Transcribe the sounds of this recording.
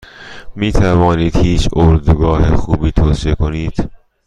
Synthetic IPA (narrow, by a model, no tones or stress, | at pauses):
miːt̪ʰævɒːniːd̪̥hiːt͡ʃʰoɾd̪uɡɒːhexuːbiːt̪ʰoːsiekoniːd̪̥